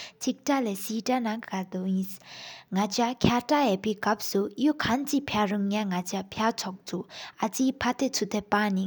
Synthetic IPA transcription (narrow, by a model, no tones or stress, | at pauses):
t͡sʰik̚ʈ͡ʂalesiːʈ͡ʂanaŋkkat̪uʔjisŋat͡ɕakʲʰaʈ͡ʂajepeːkap̚sujukʰant͡sipʰaruŋɲaŋat͡ɕapʰjat͡sʰɔk̚t͡sʰuʔʔat͡siːpʰat̪ʰet͡sʰut̪ʰepani